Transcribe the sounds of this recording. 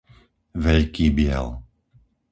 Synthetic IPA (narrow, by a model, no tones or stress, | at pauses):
ʋɛʎkiːbɪɛ̰l